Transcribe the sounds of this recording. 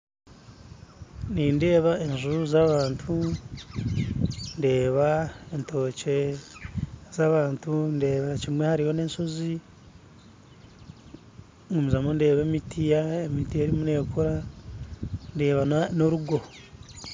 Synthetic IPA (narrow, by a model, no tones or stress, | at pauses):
ninde̞ːβaʔeʒuɾuzaβaːntʰu | nde̞ːβaentʰo̞ːce̞ | zaβaːntunde̞ːβacimwe̞haɾiho̞ne̞ːnʃo̞zi | ŋɡumizamonde̞ːβemitʰijaemitijeɾimune̞ːkuɾa | nde̞ːβanoɾuɡo̞